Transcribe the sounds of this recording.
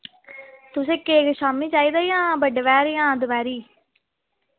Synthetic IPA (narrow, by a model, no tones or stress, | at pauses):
t̪ʊsẽːkeːɡʃaːmĩːt͡ʃaːiːd̪aːjãːbəɖʋɛːɾjãːd̪ʊbɛːɾiː